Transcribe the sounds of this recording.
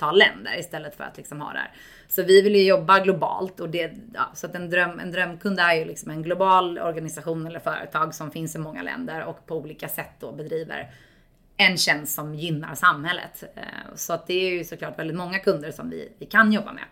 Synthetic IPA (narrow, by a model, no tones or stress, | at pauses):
t̪ʰɑːllːɛ̰nd̪ə̰ɾɪst̪ɛlːət̪fœ̰ɾa̰t̪lɪksɔmhɑ̰ːd̪æ̰ːɾ | sɔvɪvɪljɵjɔbːaɡlʊbɑ̰ːlt̪ɔd̪ɛɑ̰ːsɔat̪ɛnd̪ɾœmːɛ̰nd̪ɾœmːkʰɵnd̪æɾjɵlɪksɔmɛnɡlʊbɑːlɔ̰ɾɡanɪsaɧuːnɛlːəɾfœːɾə̰t̪ʰɑːɡsɔmfɪnsɪmɔŋːa̰lɛ̰nd̪əɾɔkpʰɔuːliːkasɛt̪ːd̪obɛd̪ɾiːvə̰ɾ | ɛnɕɛnst̪sɔmjʏnːa̰ɾsamhɛlːə̰t̪sɔat̪̚d̪ɛːɾjɵsɔklɑːʈvɛld̪ɪt̪mɔŋːakʰɵnd̪əɾʂɔmvɪ̰vɪkʰanjɔbːa̰mɛ̰